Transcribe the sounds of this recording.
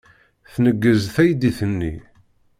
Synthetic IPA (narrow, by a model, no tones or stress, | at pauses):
θnəɡːəzθæjd̪iθənːḭ